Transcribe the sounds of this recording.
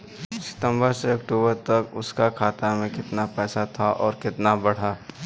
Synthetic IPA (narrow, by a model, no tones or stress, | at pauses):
sɪ̥t̪ə̃mbəɾseɐkʈuːbəɾt̪ɐkʊskakʰaːt̪amẽkɪt̪napɛːsat̪ʰaʔɔːɾkɪt̪nabɐɽ̤aː